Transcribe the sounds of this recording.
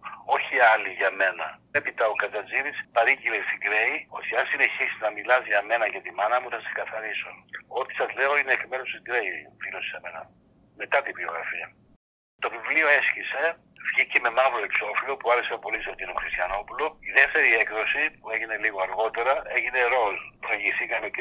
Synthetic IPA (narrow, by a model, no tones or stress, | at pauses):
o̞çiɐliʝɐme̞nɐepit̪ɐokɐt͡sɐziɾispɐɾicilest̪iɡɾe̞io̞t̪iɐnsine̞çisi̥znɐmilɐziɐme̞nɐʝɐt̪imɐnɐmuθɐsse̥kɐθɐɾisuno̞t̪i̥sɐzle̞o̞ineːkme̞ɾost̪iɡɾe̞ivilosi̥seme̞nɐ̰ | me̞t̪ɐt̪ibio̞̰ɣɾɐ̰fiɐ | t̪o̞vivlio̞e̞scise̞ | vʝice̞me̞mɐvuloekso̞filo̞puɐɾesepo̞liseot̪iinoxɾist̪çɐno̞puloiðe̞ft̪e̞ɾiekðo̞sipue̞ʝine̞liɣo̞ɐɾɣo̞t̪e̞ɾɐe̞ʝineɾo̞lpɾeʝiθikɐme